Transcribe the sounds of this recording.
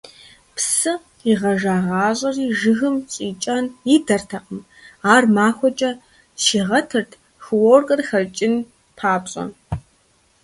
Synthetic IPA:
pʰsɨ | iʁɐʒaːʁɑːʑʼɐriʒɨɣɨmt͡sʼiːt͡ʃʼanidɐrtʰɐqəm | aːrmaːxʷɔt͡ʃʼɐ | ʃiːʁɐtʰɨrtʰ | xɨworkʼɐrxɐrt͡ʃʼɪn | pʰaːpɕʼɐ̰

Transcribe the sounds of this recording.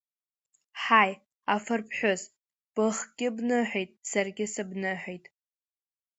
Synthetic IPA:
ħaj | afɨrpʰħʷᶣʊz | b̥ɨχɡʲɪbnɨħʷᶣejtʼsarɡʲɪsɨbnɨħʷᶣejtʼ

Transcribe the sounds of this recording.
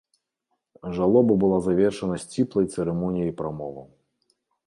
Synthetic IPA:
ʐalˠɔbɐbɨlˠazavʲɛrʂɐnɐsʲt͡sʲiplˠɐjt̪sɛɾɛmɔnʲijɐjpɾamɔvɐ̰w

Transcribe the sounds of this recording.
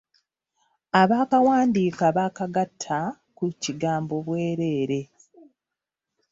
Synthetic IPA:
aβaːkawaːndiːkaβakaɡatʰːa | kuciɡaːmbo̞βwe̞ːɾe̞ːɾe̞

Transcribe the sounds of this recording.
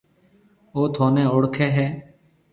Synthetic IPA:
oːt̪ʰoːnẽːʊɽkʰɛːɦɛː

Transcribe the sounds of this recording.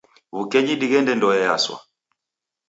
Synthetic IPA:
βukɛɲiɗiɣɛndɛndɔjɛja̰swa̰

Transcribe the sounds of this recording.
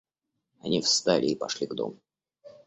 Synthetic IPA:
ɐnʲifst̪alʲɪːpɐʂlʲiɡd̪o̞̰mʊ

